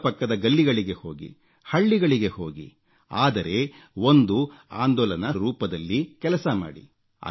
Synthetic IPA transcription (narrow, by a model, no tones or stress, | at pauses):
pɐkːɐd̪ɐɡɐlːiɡɐɭiɡe̞ho̞ːɡḭ | hɐɭːiɡɐɭiɡe̞hoːɡḭ | aːd̪ɐɾe̞ | ond̪uaːnd̪ɔːlɐnɐɾuːpɐd̪ɐlːikɛlɐsɐma̰ːɽḭ | ɐ̰